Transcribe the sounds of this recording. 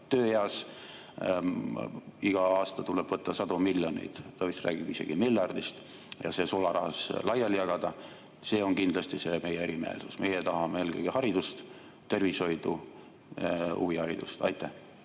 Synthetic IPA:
t̪øːjeɑs | iɡ̥ɑɑːst̪ɑt̪ulɛb̥vɤt̪ːɑsɑd̪umiljo̞nḭd̪̥t̪ɑvist̪rʔæ̰ːɡ̥ib̥ise̞̰ɡ̥imilːɑrd̪ist̪ | jɑ̰se̞ːsolɑɾɑɦɑslɑjɑljɑɡ̥ɑd̪̥ɑ | se̞ːo̞ŋkind̪lɑst̪ise̞me̞jeeɾime̞̰ːlsusme̞jet̪ɑɦɑmee̞ːlɡɤjɡihɑɾid̪̥ust̪ | t̪ːe̞rviso̞jd̪̥u | ṵvihɑɾḭd̪̥ust̪ɑ̰jt̪ːˑæh

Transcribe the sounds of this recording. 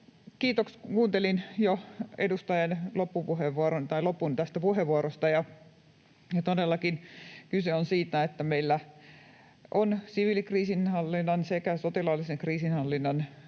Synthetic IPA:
kiːt̪okskuːnt̪elinjoedust̪ɑjɑnlopːupuheʋːuɑɾont̪ɑilopːˑunt̪æst̪æpuheʋuɑrost̪ɑjɑ | jɑt̪odelːɑkinkyseonsiːt̪æet̪ːæmeilːæ | ʔonsiʋilikriːsinhɑlːinːɑnsekæsot̪ilɑlːiseŋkriːsinhɑlːinːɑn

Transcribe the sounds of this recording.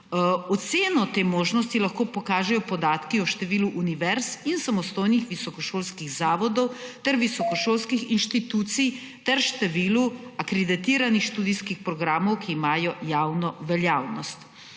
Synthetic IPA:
ɔt̪seːnɔt̪eːmoːʒnɔs̬t̪ilaxkoːpɔkaːʒɛjɔpɔd̪aːt̪kiɔʃt̪ɛʋiːluʔuniʋɛɾsinsamɔst̪oːjnixʋisɔkɔʃoːlskiɣzaːʋɔd̪ɔwt̪ɛɾʋisɔkɔʃoːlskixinʃt̪it̪uːt̪sij | t̪ɛɾʃt̪ɛʋiːluakɾɛd̪it̪iːɾanixʃt̪uːd̪iskixpɾɔɡɾaːmɔwkiːmaːjɔjaːwnɔʋɛljaːwnɔst̪

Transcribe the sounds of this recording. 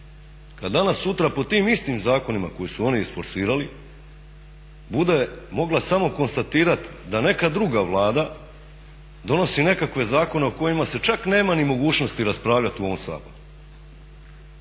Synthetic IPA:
kad̪d̪anasːut̪ɾapo̞t̪iːmist̪imzaːko̞nima̰ko̞jisuo̞niisfo̞ɾsiːɾali | bud̪e̞mo̞ɡlˠasamo̞ko̞nst̪at̪iːɾat̪d̪ane̞kad̪ɾuɡaʋlˠaːd̪a | d̪o̞no̞sine̞kakʋe̞zaːko̞ne̞oko̞jimase̞t͡ʃakne̞ːmanimo̞ɡuːt͡ʃno̞st̪iɾaspɾaːʋʎat̪iuo̞ʋo̞msa̰ːpo̰lu

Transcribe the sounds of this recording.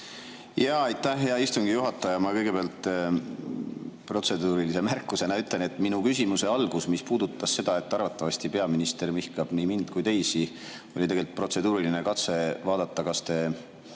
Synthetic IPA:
jɑɑjt̪ːæhːeɑist̪uŋɡijuɦɑt̪ːˑɑjɑmɑkɤjɡ̥e̞beɑlt̪ːˑ | pro̞t̪se̞d̪uːɾilise̞mærkːˑuse̞nɑyt̪ːˑle̞net̪ːˑminukys̬ʲimuse̞ɑlɡ̥usmispuːd̪̥ut̪ːˑɑsːe̞d̪̥ɑe̞t̪ːˑɑrvɑt̪ˑːɑvɑsʲt̪ipe̞ɑminist̪e̞rmihkˑɑb̥nimind̪̥kujt̪e̞jsi | o̞lʲit̪e̞ɡe̞lt̪̚pro̞t̪se̞d̪uːɾilinekɑt̪se̞vɑːd̪̥ɑt̪ˑːɑkɑst̪e̞

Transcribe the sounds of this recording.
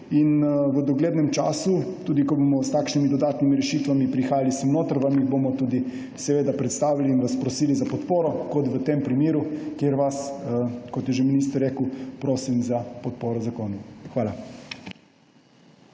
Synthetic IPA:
inʋəd̪ɔɡleːd̪nɛmt͡ʃaːsut̪uːd̪ikɔbomɔst̪aːkʃnimid̪ɔd̪aːt̪nimiɾɛʃiːt̪ʋamipɾixaːjalisənoːt̪əɾʋamiɣbomɔt̪uːd̪i | sɛʋeːd̪apɾɛt̪st̪aːʋiliːnʋaspɾɔsiːlizapɔt̪poːɾɔkɔt̪ʋət̪empɾimiːɾukjeːɾʋaskɔt̪jɛʒeminiːst̪əɾeːkəwpɾoːsimzapɔt̪̚poːɾɔzakoːnuxʋaːla

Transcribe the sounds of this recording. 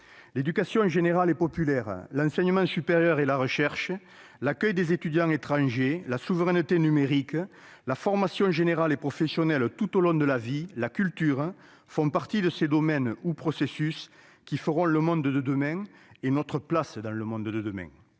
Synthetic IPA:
led̪ykasjɔ̃ʒeneʁalepɔpylɛʁəlɑ̃sɛɲəmɑ̃sypeʁjœʁelaʁəʃɛʁʃə | lakœjd̪ezet̪yd̪jɑ̃ŋet̪χɑ̃ʒelasuvəʁɛnət̪enymeʁikə | lafɔʁmasjɔ̃ʒeneʁalepχɔfesjɔnɛlt̪ut̪olɔ̃d̪əlavilakylt̪yʁə | fɔ̃paʁt̪id̪əsed̪ɔmɛnupχɔsesys | kʲifəʁɔ̃ləmɔ̃nd̪əd̪əd̪əmɛ̃ŋenɔt̪χəplasəd̪ɑ̃ləmɔ̃nd̪əd̪əd̪əmɛ̰̃ŋ

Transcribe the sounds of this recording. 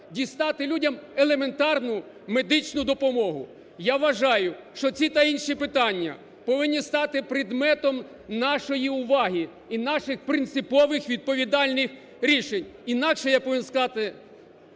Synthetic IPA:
dʲist̪ɑt̪ɪlʲudʲɐmelˠe̞me̞nt̪ɑrnʊ | me̞d̪ɪt͡ʃnʊjd̪ɔpɔmɔɦʊ | jaʋɐʒɑjʊʃt͡ʃɔt͡sʲit̪ɐinʃipɪt̪ɑnʲːɐ̰ | pɔʋɪnʲːist̪ɑt̪ɪpɾɪd̪mɛt̪ɔm | nɑʃɔjiʊʋɑɦʲi | inɑʃɪxpɾɪnt̪sɪpɔʋɪxʋʲid̪̚pɔʋʲid̪ɑlʲnɪx | ɾʲiʃenʲinɑkʃɛjapɔʋʲinskɐzɑt̪ɪ

